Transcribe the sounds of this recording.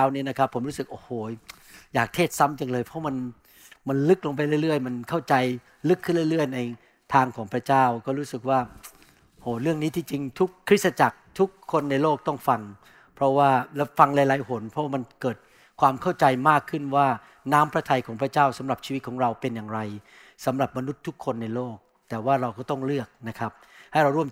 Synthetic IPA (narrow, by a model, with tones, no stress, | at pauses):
a˦˥wniː˦˥˨na˦˥kʰa˦˥pʰːo˩˦mɾuː˦˥sɯ˨˩k̚ʔoː˧˩hoː˨˩ | jaː˨˩k̚t̪ʰeː˥˩t̪̚sa˦˥mt͡ɕa˧ŋlɤː˧jpʰɔ˦˥ma˧n | ma˧nlɯ˦˥k̚lo˧ŋp̬a˧jlɯ˥˩˨jɾɯ˥˩əjma˧nkʰa˥˩wt͡ɕa˧j | lɯ˦˥kʰːɯ˥˩nlɯ˥˩jlɯ˥˩əjna˧j | t̪ʰaː˧ŋkʰɔː˩˦ŋpʰɾa˧˥t͡ɕaː˥˩wkɔː˥˩ɾuː˦˥sɯ˨˩k̚waː˥˩ | hoː˨˩ɾɯ˥˩əŋniː˦˥t̪ʰiː˧˩t͡ɕi˧ŋt̪ʰu˦˥kʰːɾi˦˥t̪̚sa˧t͡ɕa˨˩k̚t̪ʰu˦˥kʰːo˧nːa˧jloː˥˩k̚t̪ɔ˥˩ŋfa˧ŋ | pʰɾɔ˦˥waː˥˩lfa˧ŋlaː˧jlaː˨˦jɦo˩˦npʰɔ˦˥waː˥˩ma˧nkɤː˨˩t̪̚ | kʰwaː˧mkʰa˥˩wt͡ɕa˧jmaː˥˩kʰːɯ˥˩nwaː˥˩ | naː˦˥mpʰɾa˧˥t̪ʰa˧jkʰɔː˩˦ŋpʰɾa˧˥t͡ɕaː˥˩wsa˩˦mɾa˨˩p̚t͡ɕʰiː˧wt̪̚kʰɔː˩˦ŋɾa˧wpe˧njaː˨˩ŋɾa˧j | sa˩˦mɾa˨˩p̚ma˧nu˦˥t̪ʰːu˦˥kʰːo˧nːa˧jloː˥˩k̚ | t̪ɛː˨˩waː˥˩ɾa˧wkɔː˥˩t̪ɔ˥˩ŋlɯ˥˩ək̚na˦˥kʰa˦˥p̚ha˥˩jɾa˧wɾu˥˩əm